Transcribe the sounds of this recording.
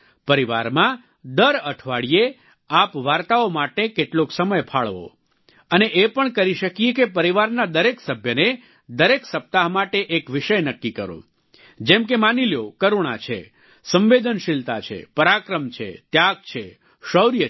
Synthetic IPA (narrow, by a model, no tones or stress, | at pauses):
pəɾiʋa̰ɾmã | d̪əɾəʈʰʋaɽije | apʋaɾt̪aomaʈekeʈloksəməjpʰaɭʋo̰ | əneʔepəɳkəɾiʃəkijekepəɾiʋaɾnad̪əɾeksəbʱjəne | d̪əɾeksəp̚t̪aɦmaʈeʔekʋiʃəjnəkːikəɾõ̰ | d͡ʒɛmkemaniljokəɾuɳ̃a̰t͡ʃʰḛ | sə̃mʋed̪ʱənʃɪlt̪a̰t͡ʃʰḛpəɾakɾəmt͡ʃʰḛt̪jaɡ̚t͡ʃʰe | ʃəwɾjə